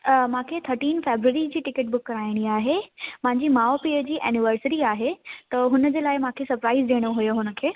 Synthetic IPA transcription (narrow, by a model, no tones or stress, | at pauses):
mãːkʰet̪ʰɐɾʈiːnfeːbɾuəɾid͡ʑiːʈɪkəʈ̚bʊkːɐɾaːɪɽ̃iaːɦemãɦɪ̃ɲd͡ʑimaːopiːəd͡ʑiːʔɛːnɪʋəɾsɾiaːɦet̪ɐɦʊnəd͡ʑeːlaːɪmãːkʰesɐɾpɾaːɪzdeːɽ̃oɦʊjoɦʊnə̆kʰeː